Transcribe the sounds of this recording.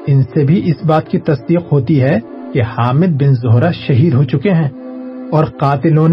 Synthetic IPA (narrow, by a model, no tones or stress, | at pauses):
ɪnsebʱiʔɪsbaːt̪kit̪ɐsd̪iːqɦoːt̪iɦɛ | kehaːmɪd̪̚bɪnzʊɦɾaʃɐɦiːd̪ɦoːt͡ʃʊkeɦɛ̃ː | ɔːɾqaːt̪ɪlõːn